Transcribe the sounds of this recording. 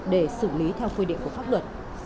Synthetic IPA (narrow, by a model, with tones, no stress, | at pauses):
ɗe˧˩sɨ˧˩li˨˦t̪ʰɛ˧wxui˧ɗḭ˧˨ŋ̟ku˧˩fa˦˥p̚lwə˨˩t̚